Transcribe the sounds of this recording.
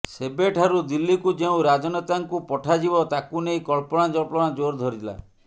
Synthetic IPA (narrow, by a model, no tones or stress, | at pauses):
sebeʈʰaɾud̪ilːikud͡ʒeũɾad͡ʒɔnɔt̪aŋkupɔʈʰad͡ʒibɔt̪akunejkɔɭpɔɽ̃ad͡ʒɔɭpɔɽ̃ad͡ʒoɾd̪ʱɔɾila̰